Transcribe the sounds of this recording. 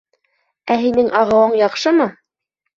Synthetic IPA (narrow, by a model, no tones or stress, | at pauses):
æɦinɘŋʔɑʁɤ̆wɤɴjɑqʃɤmɤ